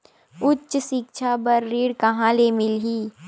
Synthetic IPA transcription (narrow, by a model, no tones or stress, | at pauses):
ʊtːʃsɪk̚t͡ʃʰabɐɾːiːɽkɐɦãlemɪlɦiː